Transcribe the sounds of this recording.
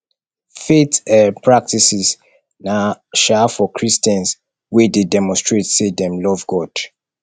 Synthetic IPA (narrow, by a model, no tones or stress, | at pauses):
fetɛpʰɹak̚tisiz | naʃafɔkʰɹistɛ̃ns | wededɛmɔ̃nstɹetsedɛ̃mlɔvɡɔd̥